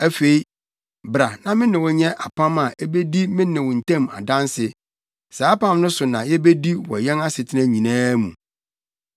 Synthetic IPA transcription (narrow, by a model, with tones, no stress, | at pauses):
æ˦fe˨i˦ | bɾa˨nã˨mɪ̃˦nɪ̃˨wɔ˨ɲɛ̃˦ʔa˨pʰã˦ma˨ʔe˦be˦di˦mɪ̃˦nɪ̃˨wɔ˨n̩˨tʰɛ̃˦˨ma̰˨dã˦nsɪ˨ | saː˨˦pã˦˨m˦nʊ̃˦sʊ˨nã̰˨jɛ˦be˦di˦wɔ̰˨jɛ̃˦na˦sɪ˨tʰɪ˦nã˦ɲĩ˨nãː˦mṵ̃˨